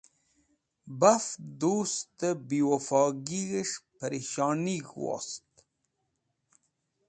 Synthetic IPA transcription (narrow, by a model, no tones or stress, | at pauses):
bafd̪uːst̪əbiwofɑːɡiɣəʂpɐɾiʃɑːniɡwɑ̰st̪